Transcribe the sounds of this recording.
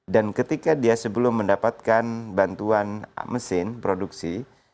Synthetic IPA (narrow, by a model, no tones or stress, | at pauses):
dankət̪ikadiasəbəlʊmːəndapat̪̚kanbant̪uan̰məsɪnpɾoduksi